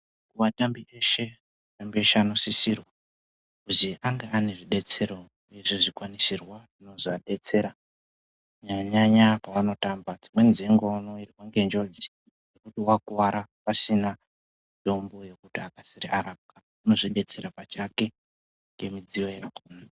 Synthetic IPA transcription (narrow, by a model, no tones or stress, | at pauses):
kuʋatambiʔe̞ʃe̞ | tambieʃeano̞sisirwa | kuziʔaŋɡeane̞ʐiɗe̞t͡se̞ɾo̞ | uje̞ʐiʐikwanisirwaʐino̞zoaɗe̞t͡se̞ɾa | ɲaɲaɲapawano̞tambad͡zimwe̞nziŋɡonoiriwaŋɡe̞nd͡ʒo̞d͡ʒi | ekutiwakuwaɾapasina | do̞mbo̞je̞kutiakasirḭʔaɾap̚ka | uno̞ʐiɗe̞t͡se̞ɾapat͡ʃake̞ | ŋɡe̞mid͡ziwojekuːna